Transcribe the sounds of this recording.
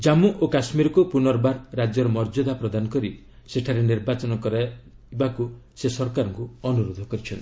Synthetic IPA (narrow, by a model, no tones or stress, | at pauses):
d͡ʒamːuʔokasmiɾɔkupunɔɾbaɾːad͡ʒjɔɾɔmɔɾd͡ʒod̪ʱapɾɔd̪anɔkɔɾi | seʈʰaɾeniɾbat͡ʃɔnɔkɔɾa | bakusesɔɾkaɾɔŋkuɔnuɾod̪ʱɔkɔɾit͡ʃʰɔn